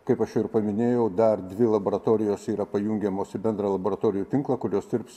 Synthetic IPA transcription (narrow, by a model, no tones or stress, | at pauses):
kɐɪpɐʃjʊɪɾpɐmʲɪnʲeːjɛʊd̪ɐrd̪ʲʋʲɪlˠɐboːɾɐt̪oːɾʲɪjoːsiːɾɐpɐjuŋʲɡʲɛmoːsɪbʲɛnd̪ɾɐːlˠɐboːɾɐt̪oːɾʲɪjuːt̪ʲɪŋklˠɐkʊɾʲoːsd̪ʲɪɾps